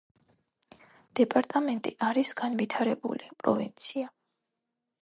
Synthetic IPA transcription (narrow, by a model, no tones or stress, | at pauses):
d̪̥ɛpʼaɾt̪ʼamɛnt̪ʼiʔaɾisɡ̥anvit̪ʰaɾɛbṵlipʼɾɔ̰vḭnt̪sʰia